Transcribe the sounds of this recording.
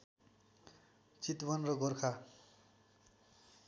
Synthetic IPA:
t͡sit̪bʌnrʌɡʌrkʰa

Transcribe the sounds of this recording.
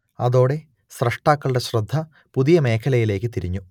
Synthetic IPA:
ɐðo̞ːɽe̞ | ɕrɐʂʈaːkːɐɭuɽeɕrɐd̪ʱːɐ | puðijɐme̞ːkʰɐlɐjile̞ːkːɨt̪iɾiɲːu

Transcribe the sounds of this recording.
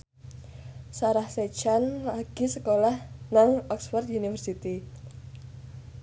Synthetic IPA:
saɾahset͡ʃanlaɡ̥isəkolahnaŋɔksfɔrt̪̚unifərsit̪i

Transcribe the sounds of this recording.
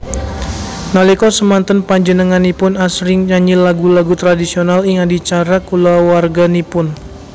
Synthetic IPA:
nalikɔsəmant̪ənpaɲd͡ʒənəŋanipʊnasɾɪŋɲaɲilaɡulaɡut̪ɾadisionaliŋadit͡ʃaɾakulawarɡanipʊn

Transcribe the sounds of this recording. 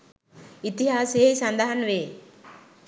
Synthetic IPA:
it̪iɦaːsejeisɐnd̪aɦanʋeː

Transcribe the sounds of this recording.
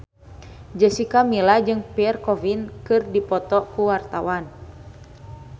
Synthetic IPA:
d͡ʒəsikamilad͡ʒɨŋpɛɛrkɔvinkɨrdipɔt̪ɔkuwart̪awan

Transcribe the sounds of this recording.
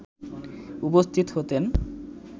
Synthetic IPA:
upost̪ʰit̪oɦot̪en

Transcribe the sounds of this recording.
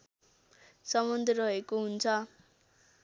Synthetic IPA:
sʌmʌnd̪ʱeɾʌɦekoɦunt͡sʰʌ

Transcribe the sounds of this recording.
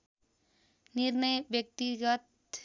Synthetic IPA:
niɾnʌjbjʌk̚t̪iɡət̪

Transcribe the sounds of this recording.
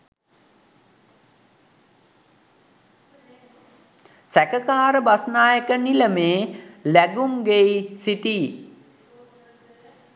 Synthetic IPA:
sækəkaːɾəbasnaːjəkəniləmeːlæɡumɡeisit̪iː

